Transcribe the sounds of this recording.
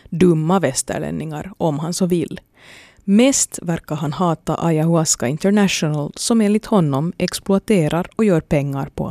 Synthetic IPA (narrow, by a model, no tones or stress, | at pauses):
d̪ɵmːavɛst̪ə̰ɭɛ̰nːɪŋa̰ɾʔɔmɦansɔvɪlː | mɛːst̪væɾkːaɾɦanɦɑːt̪a̰ʔajahʊaskaɪnt̪əɾɳæʂʊnalsɔmeːnlɪt̪hɔnːɔmʔɛksplʊat̪eːɾʔaɾɔjœːɾpʰɛŋːaɾpʰɔ̰